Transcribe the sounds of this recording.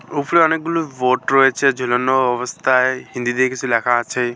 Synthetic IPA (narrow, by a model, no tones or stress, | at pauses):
upɽeɔnek̚ɡuloboʈɾɔet͡ʃʰed͡ʒʱolɔnɔɔbɔst̪ʰaeɦind̪id̪iekit͡ʃʰuelakʰaːt͡ʃʰe